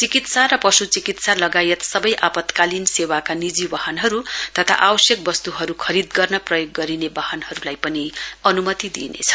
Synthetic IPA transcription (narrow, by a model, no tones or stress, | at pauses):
t͡sikit̪sarʌpʌsut͡sikit̪salʌɡajet̪sʌbʌjʔapʌt̪kalinsewakanid͡zibaɦʌnɦʌɾut̪ʌt̪ʰa̰ʔabʌsjʌk̚bʌst̪uɦʌɾukʰʌɾid̪ɡʌrnʌprʌjoɡːʌɾinebahʌnɦʌɾulajpʌniʌnumʌt̪id̪ḭnḛt͡sʰʌ̥